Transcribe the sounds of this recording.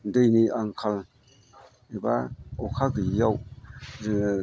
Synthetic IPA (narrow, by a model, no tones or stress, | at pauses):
dejniʔaŋkʰal | ebaokʰakɯjaw